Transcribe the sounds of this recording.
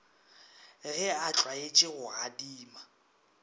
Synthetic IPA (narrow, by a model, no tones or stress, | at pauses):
ɣɪat͡ɬʼwaet͡ʃʼɪɣʊadiːma